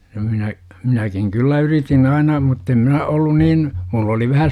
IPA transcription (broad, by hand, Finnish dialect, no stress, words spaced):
jɑ minæ minækiŋ kylːæ yritin ɑinɑ mutːem minæ olːun niːn mulː oli ʋæhæ